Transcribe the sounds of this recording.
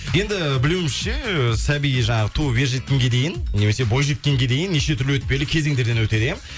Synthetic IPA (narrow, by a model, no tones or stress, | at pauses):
je̞nd̪ɪbɪlewɪmɪsʃe̞sæbijiʒɑɴɑʁət̪ʰube̞ɾʒe̞t̪̚kʲe̞ŋɡʲe̞d̪e̞jɪnne̞me̞se̞bo̞jʒe̞t̪̚kʲe̞ŋɡʲe̞d̪e̞jɪnːeʃe̞t̪ʰʏɾlwɵt̪̚pe̞lɪkʲʰe̞ze̞ŋd̪e̞ɾd̪e̞nwɵt̪e̞d̪em